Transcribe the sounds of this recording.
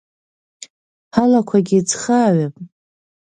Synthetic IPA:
halakʷʰaɡʲit͡sʰχaːɥapʼ

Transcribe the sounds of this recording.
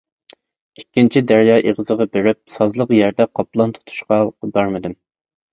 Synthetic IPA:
ikʲːint͡ʃʰid̪æɾjɑːʔeʁəzəʁɑbeɾɪp̚sɑzlˠəqjæɾd̪ɛqʰɑplˠɑnt̪ʰu̥t̪ʰu̥ʃqɑqbɑɾmɨd̪ɪm

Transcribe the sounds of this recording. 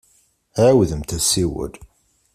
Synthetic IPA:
wðəmt̪æsiwə̰l

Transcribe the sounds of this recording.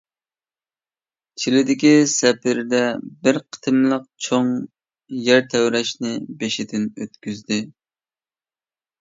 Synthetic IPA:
t͡ʃʰilɪd̪ɪkʲisɛpɪɾd̪ɛbɪɾqʰə̥t̪ʰɨmlˠəq̚t͡ʃʰoŋ | jɛɾt̪ʰɛwɾɛʃnɪbeʃɪd̪ɪnøt̪kʲyzd̪ɪ

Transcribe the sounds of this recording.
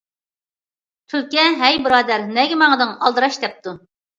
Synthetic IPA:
t̪ʰyɾkʲɛɦɛjbɨɾɑːd̪æɾnɛɡʲɛmɑŋəd̪ɨŋɑlˠd̪əɾɑʃd̪ɛp̚t̪ʰu

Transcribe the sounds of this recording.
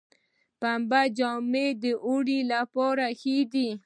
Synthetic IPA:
pambad͡ʒɔmed̪əʔuɽilapɔɾaxid̪i

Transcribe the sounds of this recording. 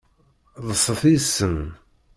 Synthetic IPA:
ðˤəsˤːəθisːən

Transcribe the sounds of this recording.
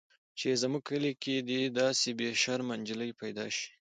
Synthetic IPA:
t͡ʃezmuɡ̚kʰəliked̪id̪ɑsebeʃaɾmand͡ʒələjpajd̪ɑ̰ʃi̥

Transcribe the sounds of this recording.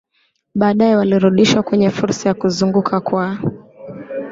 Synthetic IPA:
ɓaːɗajɛwaliɾuɗiʃwakwɛɲɛfuɾsajakuzuŋɡukʰakwa

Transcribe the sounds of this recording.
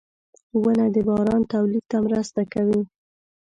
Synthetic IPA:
wənad̪əbɑɾɑnt̪awlid̪̚t̪amɾəst̪akawi

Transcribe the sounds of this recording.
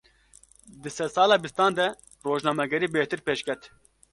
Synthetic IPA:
d̪ɨsɛd̪sɑːlɑːbist̪ɑːnd̪ɛ | roːʒnɑːmɛɡɛɾiːbeːht̪ɨɾpeːʃkɛt̪

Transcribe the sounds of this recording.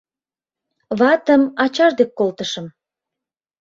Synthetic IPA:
βɑt̪əmɑt͡ɕɑʒd̪ekːolt̪əʃəm

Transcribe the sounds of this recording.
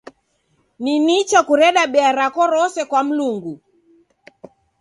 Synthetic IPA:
ninit͡ʃakuɾɛɗaɓɛaɾakɔɾɔsɛkwam̩luŋɡu

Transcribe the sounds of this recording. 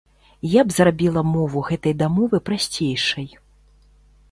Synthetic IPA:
jabzrabʲilˠɐmɔvuɣɛt̪ɐjd̪amɔvɨpɾasʲt͡sʲejʂɐj

